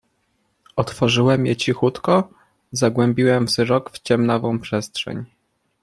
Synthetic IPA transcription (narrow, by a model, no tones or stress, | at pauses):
ɔt̪fɔʐɘwɛmjɛt͡ɕixut̪kɔ | zaɡwɛmbʲiwɛmvzɾɔkft͡ɕɛmnavɔ̃w̃pʂɛst̪ʂɛ̰ɲ